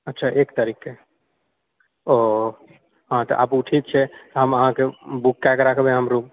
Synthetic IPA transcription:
ətːt͡ʃʰaʔekt̪əɾikːe | ɔ | ɦãt̪ɔ̰ʔa̰puʈʰit̪̚t͡ʃʰɛt̪ɔɦəməɦãkebukːakɾakʰbẽɦəmɾu

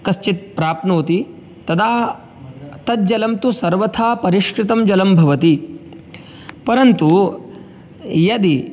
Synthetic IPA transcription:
kɐst͡ʃit̪̚pɾaːpnoːt̪i | t̪ɐt̪ʰaː | t̪ɐt̪̚d͡ʒɐlɐmt̪usɐɾʋɐt̪ʰaːpɐɾiʃkɾɪt̪ɐmd͡ʒɐlɐmbʱɐʋɐt̪i | pɐɾɐnt̪u | jɐd̪i

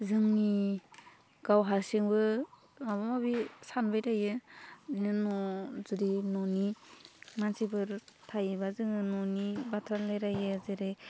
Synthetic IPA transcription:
zɯŋni | ɡ̥awɦasiŋbɯ | maβamabisanbajɾajɯnɯnɔzɯɾinɔni | mansibɯɾtʰajbazɯŋɯnɔnibatʰɾalajɾajɯzɯɾɯ

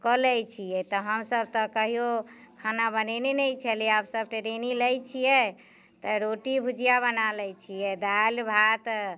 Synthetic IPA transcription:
kɔlɛt͡ʃʰijɛt̪ɔɦəmsəb̚t̪ɔkəɦijokʰanabənɛnenɛjt͡ʃʰɛliɛabsəb̚ʈeɾenilɛjt͡ʃʰijɛ | t̪ɔɾoʈibʱud͡ʒijabənalɛt͡ʃʰijɛd̪albʱat̪

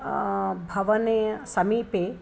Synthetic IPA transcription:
bʱɐʋɐnesɐmiːpe

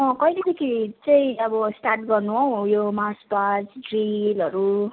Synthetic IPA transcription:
mʌkʌijled̪ekʰit͡saĩʌbʌsʈarʈ̚ɡʌrnuɦʌw̃jomaspad͡zɖrilʌɾu

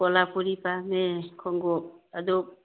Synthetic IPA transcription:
pɔlapʰuɾipamekʰɔŋɡɔp̚adɔ

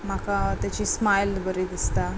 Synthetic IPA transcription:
m̤akat̪jat͡ɕiːsmajlbəɾid̪ist̪a

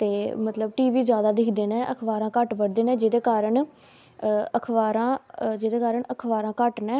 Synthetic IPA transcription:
t̪eːmət̪ləbʈiːʋiːzjaːd̪aːd̪ɪkʰd̪eːnɛːʔəkʰʋaːɾãːkəʈbəɽd̪eːnɛ̃ːd͡ʒɪd̪eːkaːɾəɳ | əkʰʋaːɾãːd͡ʒɪd̪eːkaːɾəɳəkʰʋaːɾãːkəʈnɛː

